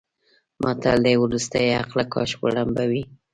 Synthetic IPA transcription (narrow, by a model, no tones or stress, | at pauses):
mʔɑt̪ald̪əwɾust̪ajaqlakɑ̰ʃwaɽambawi